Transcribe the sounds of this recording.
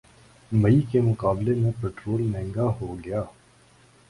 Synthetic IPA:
mɐikemʊqaːblemẽpeːʈɾoːlmɛ̃ːŋɡaɦoɡɐjaː

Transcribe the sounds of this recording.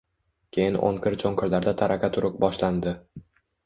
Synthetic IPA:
kʲʰe̞jɪnʔo̰ŋkʰʲɪɾt͡ʃʰoŋkʰɪɾlaɾd̪at̪ʰaɾakʰʲat̪ʰʊɾʊq̚bɒʃland̪ɪ

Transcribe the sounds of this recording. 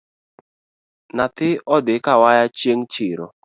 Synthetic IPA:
nat̪ɪɔdɪkawajat͡ʃeŋt͡ʃɪɾo̰

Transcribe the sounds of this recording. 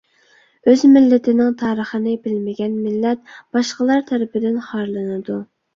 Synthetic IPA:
øzmɪlːɪt̪ʰɪnɪŋt̪ʰɑːɾəχənɪbɪlmɪɡʲɛnmɪlːɛt̪̚b̥ɑʃqəlˠɑɾt̪ʰɛɾɪpɪd̪ɪnχɑɾlˠɨnɨd̪u

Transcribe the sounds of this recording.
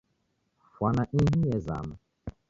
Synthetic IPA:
fwanaʔiɦijɛza̰ma

